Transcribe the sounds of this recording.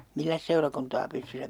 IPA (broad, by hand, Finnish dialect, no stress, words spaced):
milːæs seurɑkuntɑː pystysæ